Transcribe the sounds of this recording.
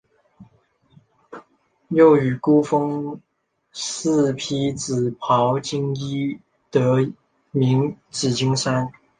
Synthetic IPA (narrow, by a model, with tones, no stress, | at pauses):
jo˥˩ʊy˨˩ku˥fɤ˥ŋ | s̩˥˩pʰi˥t͡sɹ̩˨˩pʰɑ˧˥ʊt͡ɕi˥ŋi˥ | t̪ɤ˧˥˦ | mi˧˥ŋt͡sɹ̩˨˩t͡ɕi˥ŋʂa˥n